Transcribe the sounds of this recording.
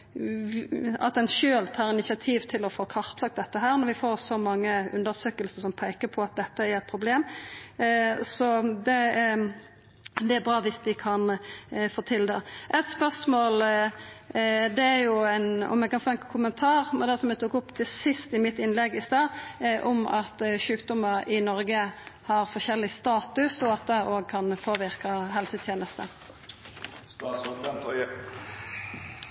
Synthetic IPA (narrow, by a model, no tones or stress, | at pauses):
ɑ̰t̪ɛnʃøːlt̪ʰɑːɾɪnɪsɪɑt̪ʰiːʋt̪ʰɪlɔfoːkʰɑʁt̪ʰlɑk̚t̪̚d̪ɛt̪ːəɦæːɾnɔɾʋɪfoːɾsɔmɑŋːəʉ̰nd̪əɾsøːkəlsəsɔmpʰæɪkəpʰɔɑt̪̚d̪ɛt̪ːəæɾɛt̪pʰɾʊbleːm | sɔd̪ɛ | d̪ɛæɾbʁɑːʋɪsd̪ɪkʰɑnfoːt̪ʰɪld̪ɛʔɛt̪spœʁsmoːl | d̪ɛæɾjʊɛɪnɔ̰mɛɡ̚kɑnfoːɛnkʰʊmənt̪ʰɑːʁmɛnd̪ɛsɔmɛt̪ʰuːkʊpːt̪ʰɪlsɪst̪ɪmɪt̪ːɪnlɛɡɪst̪ɑːʔɔmɑt̪ʃʉːkd̪ʊməɾɪnɔɾɡəhɑɾfɔʃɛlːɪst̪ɑːt̪ʉsɔɑt̪̚d̪ɛʔoːɡ̚kʰɑnpʰoːʋɪɾkɑɦɛlsət̪ʰjeːnəst̪ə